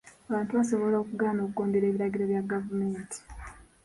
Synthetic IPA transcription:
aβaːntuβasoβo̞lo̞ːkuɡaːno̞ːkuko̞ːnde̞ɾeːβiɾaɡiɾoβjaɡavumeːntʰi̥

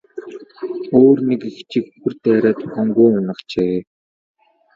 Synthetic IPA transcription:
oːrnekixt͡ɕĭkuxɘ̆rt̪æːɾæːt̪ʰʊχɔːŋɡujʊnə̆qt͡ɕeː

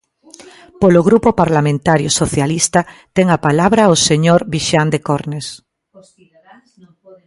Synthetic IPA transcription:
poloɣɾupopaɾlamẽnt̪aɾjosoθjalist̪at̪ɛŋapalaβ̞ɾaoseɲoɾβiʃand̪ekoɾnes

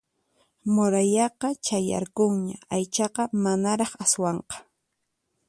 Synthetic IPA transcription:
moɾajɑqɑt͡ʃaja̰ɾkʊŋɲaajt͡ʃɑqɑmanaɾɑχaswɑɴqɑ̥

